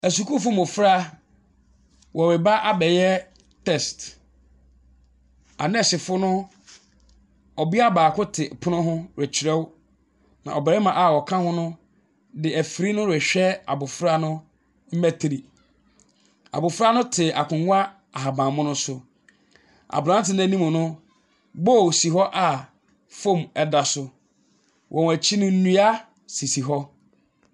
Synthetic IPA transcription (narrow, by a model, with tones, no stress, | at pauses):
æ˨s̬u˨kʰʊ˦fʊ˦mʊ̃˨fɾa˦ | wʔɔ˨ɾɪ˨ba˦ʔa˦bɛ˨jɛ˦ | tʰɛ˦˨st | a̰˨nɛ˦ɕɪ˨fʊ˦nʊ̃˦ | ɔ˨bi˦a˦baː˨kʊ˦tʰɪ˨pʰʊ˦nʊ̃˦ɦʊ̃˦ɾɛ˨t͡ɕʰi˨ɾɛ˦w | nã̰˨ɔ˨bɛ˨ɾɛ˦mã˨ʔa˨wɔ˨kʰã˦hʊ̃˦nʊ̃˦ | dɪ˨æ˨fi˨ɾi˦nʊ̃˦ɾɛ˨ɕᶣɛ˦a̰˨bʊ˨fɾa˦nʊ̃˦ | m̩˦mæ˦tʰɪ˨ɾi˨ | a̰˨bʊ˨fɾa˦nʊ̃˦tʰɪ˨a˨kʰʊ̃˨ŋʊ̃˦a˦ | a˨ɦa˨bã˨mʊ̃˦nʊ̃˦sʊ˦ | a̰˨bã˦tɪ˨ñ˦æ˦nĩ˦mʊ̃˨nʊ̃˦ | bo˦˨si˨ɦɔ˦ʔa˨ | fo˦˨mɛ˦da˨sʊ˦ | wʔɔ̃˨æ˨t͡ɕʰi˦nʊ̃˦n̩˦nũ˦a˦ | si˨si˨ɦɔ˦